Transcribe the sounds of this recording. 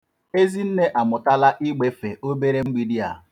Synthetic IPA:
e˦zi˦n̩˦ne˦ʔa˨mʊ˨ta˦la˦ʔi˦ɡ͡be˦fe˨o˦be˦ɾe˦ŋ͡m̩˦ɡ͡bi˦di˦a̰˨

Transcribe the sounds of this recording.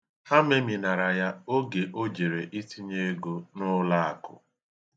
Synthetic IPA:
ha˦me˦mi˨na˨ɾa˨ja˦o˦ɡe˨ʔo˦d͡ʒe˨ɾe˨ʔi˦ti˦ɲe˦ɡo˦nʊ˦la˦a̰˨kʊ̰˨

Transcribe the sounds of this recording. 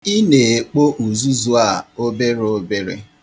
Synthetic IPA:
i˦ne˨e˨k͡po˦ʔu˨zu˦zu˦a˦˨o˦be˦ɾo˦be˦ɾḛ˦

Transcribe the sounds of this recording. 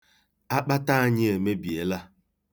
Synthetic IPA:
a˦k͡pa˦ta˦ɲɪ˦e˨me˦bi˨e˨la˦

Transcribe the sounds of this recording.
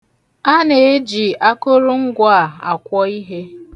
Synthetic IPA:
a˦ne˨e˦d͡ʒi˨a˦ko˦ɾʊ˦ŋ̩˦ɡʷa˦˨a˨kʷɔ˦i˦ɦe˦

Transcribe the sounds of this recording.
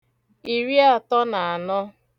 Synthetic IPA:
i˨ɾi˦a˨tɔ˦na˨a˨nɔ˦

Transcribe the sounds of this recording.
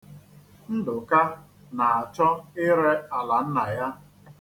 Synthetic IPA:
n̩˦dʊ˨ka˦ | na˨a˨t͡ʃɔ˦ɪ˦ɾe˦a˨la˨n̩˦na˨ja˦

